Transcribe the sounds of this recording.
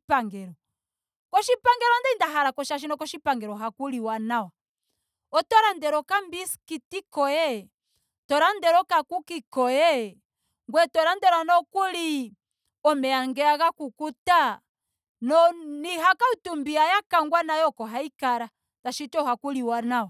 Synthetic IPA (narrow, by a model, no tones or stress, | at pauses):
paŋɡɛɾɔ | kɔʃipaŋɡɛɾɔndɛindaɦaɾakɔʃaʃ̬inɔkɔʃipaŋɡɛɾɔɦakuliwanawa | ɔtɔɾandɛɾɔkambiskitikɔjɛ | tɔɾandɛɾɔkakukikɔjɛ | ŋɡwɛtɔɾandɛɾanɔkuli | ɔmɛaŋɡɛaɣakukuta | nɔniɦakautumbiajakaŋɡwanajɔkɔɦaikaɾa | d̥aʃitɔhakuliwanawa